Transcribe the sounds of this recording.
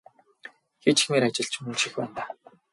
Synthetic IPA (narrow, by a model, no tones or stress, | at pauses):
xet͡ɕi̥xmeːɾat͡ɕɪ̆ɬt͡ɕʰɵnʃixpæ̰ːnt̪aː